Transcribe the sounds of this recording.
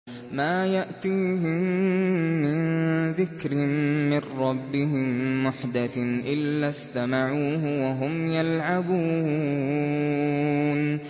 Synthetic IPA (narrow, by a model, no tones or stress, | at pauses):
maːjaʔt̪iːɦɪmː | ɪnðɪkɾɪmɪrɾɑbːɪɦɪmːʊħd̪aθʔɪlːast̪amaʕuːɦʊwaɦʊmjalʕabuː | n